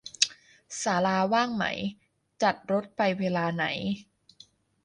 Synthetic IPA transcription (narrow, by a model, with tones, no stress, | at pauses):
saː˩˦laː˧waː˥˩ŋma̰˩˦j | t͡ɕa˨˩t̪̚ɾo˦˥t̪̚pa˧jweː˧laː˧na˩˦j